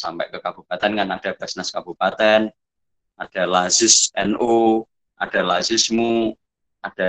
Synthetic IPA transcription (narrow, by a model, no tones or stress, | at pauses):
sampɛ̰ʔkəkab̥upat̪ɛnŋanaɖ̥a̤b̥a̤snaskab̥upat̪ɛn | ʔaɖ̥a̤lazɪsɛnʔo | ʔad̥a̤lazɪsmu | ʔad̥a̤